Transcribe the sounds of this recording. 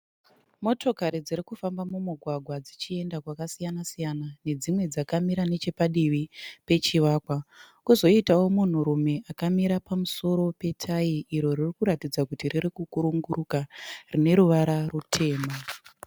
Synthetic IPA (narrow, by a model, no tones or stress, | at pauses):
mo̞to̞kaɾid͡ziɾikufambamumuɡʱwaɡʱwad͡zit͡ʃie̞ndakwakasijanasijanane̞d͡zimwe̞d͡zakamiɾane̞t͡ʃe̞paɗiʋipe̞t͡ʃiʋaːkwa | kuzo̞itawo̞mun̤uɾume̞ʔakamiɾapamuso̞ɾo̞pe̞tʰaiʔiɾo̞ririkuɾatid͡zakutiriɾikukuɾuŋɡuɾukarine̞ɾuʋaɾarutʰe̞ːma